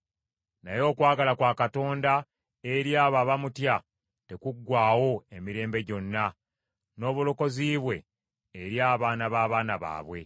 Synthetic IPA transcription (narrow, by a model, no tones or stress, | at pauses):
najo̞ːkwaːɡalakwaːkato̞ːnda | eɾjaːβaβamutja | te̞kuɡːwaːwo̞e̞miɾe̞ːmbe̞ɟo̞nːa | no̞ːβulo̞ko̞ziːβwe̞ː | ɾjaːβaːnaβaːβaːnaβa̰ːβwe̞̰